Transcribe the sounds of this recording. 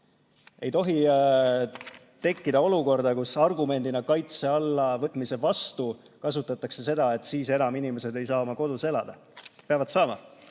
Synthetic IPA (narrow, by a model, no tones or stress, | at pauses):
e̞jt̪o̞ɦi | t̪e̞kːid̪ɑo̞luko̞rd̪̥ɑkusɑrɡume̞nd̪̥inɑkɑjt̪se̞ɑlːɑvɤt̪ːˑmise̞vɑst̪u | kɑs̬ut̪ːˑɑt̪ːˑɑkse̞se̞d̪̥ɑe̞t̪ːˑsiːse̞nɑminimese̞d̪e̞jsɑːmɑko̞d̪̥use̞lɑd̪̥ɑ | peɑvɑd̪sɑːmɑ